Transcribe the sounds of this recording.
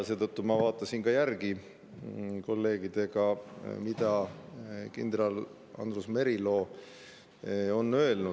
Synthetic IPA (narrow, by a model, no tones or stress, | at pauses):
se̞ːd̪ət̪ːumɑvɑːt̪ˑːɑsinkɑjærɡi | ko̞lːe̞ːɡid̪̥e̞ɡ̥ɑmid̪ɑ | kind̪ɾɑl | ɑ̰nd̪rusme̞ɾilo̞ː | o̞nːø̞elnu